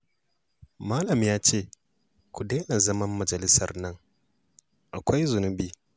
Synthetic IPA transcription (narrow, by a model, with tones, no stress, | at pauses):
maː˦lɐ˨mjaː˦t͡ʃeː˦˨ | kʷu˨deː˦na˨zɐ˦mɐ˦mːɐ˨d͡ʒɐ˨lɪ˦sɐ̰˨rnɐ˦ŋ | ʔa˨kʷa˦jzʊ˨nʊ˦biː˦